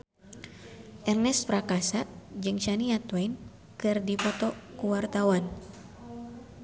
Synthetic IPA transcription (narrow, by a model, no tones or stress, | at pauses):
ʔɛrnɛspɾakasad͡ʒɨŋʃaniat̪wɛjn | kɨrdipɔt̪ɔkuwart̪awan